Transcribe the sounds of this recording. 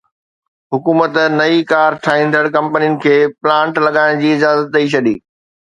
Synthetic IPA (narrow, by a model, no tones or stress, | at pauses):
ɦʊkuːmət̪nɐikaːɾʈʰaːɦĩːnd̪əɽkɐ̃mpniʊnɪ̆kʰeːplãːɳʈlɐɠaːɪɽ̃d͡ʑiːɪd͡ʑaːzət̪̚ɗɐit͡ɕʰɐɗiː